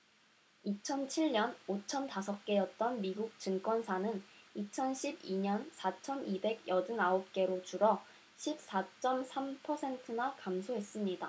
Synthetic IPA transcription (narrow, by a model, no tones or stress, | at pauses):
it͡ɕʰʌnt͡ɕʰiɭɲʌnot͡ɕʰʌntasʰʌk̚k͈e̞jʌt̚t͈ʌnmiɡuk̚t͡ɕɯŋk͈wʌnsʰanɯnit͡ɕʰʌnɕʰibiɲʌnsʰat͡ɕʰʌnibe̞ɡjʌdɯŋaop̚k͈e̞ɾot͡ɕuɾʌ | ɕʰip̚s͈at͡ɕ͈ʌmsʰampʰʌsʰe̞ntʰɯnakamsʰoɦe̞s͈ɯmɲida